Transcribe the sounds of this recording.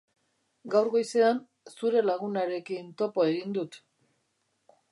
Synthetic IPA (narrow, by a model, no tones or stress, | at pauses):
ɡawɾɣo̞jse̞an | suɾe̞laɣ̞unaɾe̞kint̪o̞po̞e̞ɣind̪ut̪